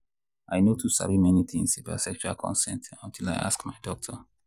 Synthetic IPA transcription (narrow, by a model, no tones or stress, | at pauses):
ʔaɪnotʰusa̰ɹimɛnit̪ĩŋsebasɛk̚t͡ʃualkʰɔ̰̃nsɛ̃ntɔ̃ntʰila̰ɪʔa̰skmaɪdɔk̚tʰɔ